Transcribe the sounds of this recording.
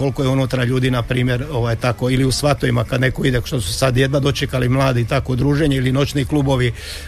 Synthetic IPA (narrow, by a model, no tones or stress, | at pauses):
o̞lko̞jeunut̪ɾaʎuːd̪inapɾiːmje̞ɾo̞ʋajt̪ako̞iliusʋat̪oʋimakad̪ne̞ko̞id̪eʃt̪osusad̪jed̪nad̪o̞t͡ʃekalimlˠaːd̪it̪ako̞d̪ɾuːʒeɲeilino̞t͡ʃniklubo̞ʋi